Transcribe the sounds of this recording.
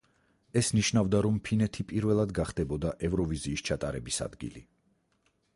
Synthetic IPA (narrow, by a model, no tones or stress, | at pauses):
ɛsniʃnavd̪aɾɔmpʰinɛt̪ʰipʼiɾvɛlˠad̪ɡaχd̪ɛbɔd̪aʔɛvɾɔviziːst͡ʃʰat̪ʼaɾɛbisa̰d̪ɡḭlḭ